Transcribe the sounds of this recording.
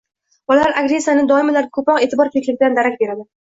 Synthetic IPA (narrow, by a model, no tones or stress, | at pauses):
bɒlalaɾaɡɾe̞sːijanɪd̪ɒɪmalaɾkʰopɾɒqe̞ːt̪ʰɪbɒɾkʲʰekʲlɪɡ̚ʲɪd̪and̪aɾakʲbe̞ɾad̪ɪ